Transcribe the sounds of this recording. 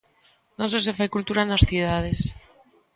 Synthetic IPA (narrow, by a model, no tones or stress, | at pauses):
nõses̬efajkult̪uɾanasθuð̞að̞es